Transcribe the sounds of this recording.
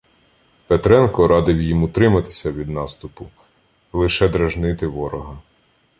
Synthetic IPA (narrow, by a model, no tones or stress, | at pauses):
pet̪ɾɛnkɔɾɑd̪ɪwjimʊt̪ɾɪmɐt̪ɪ̥sʲɐʋʲid̪nɑst̪ʊpʊ | lˠɪʃɛd̪ɾɐʒnɪt̪ɪʋɔɾɔɦɐ